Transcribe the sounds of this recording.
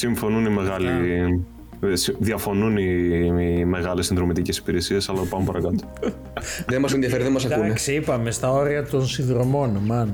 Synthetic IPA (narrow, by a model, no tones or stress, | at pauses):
siɱfo̞nunime̞ɣɐli | siðiɐfo̞nuni | me̞ɣɐlesinðɾo̞mit̪icesi̥piɾesie̞sɐlɐpɐumpɐɾɐkɐt̪o̥ | ðenmɐsenðiɐfeɾiðemɐsɐkuneksipɐmest̪ɐo̞ɾiɐt̪o̞nsinðɾo̞mo̞nmɐn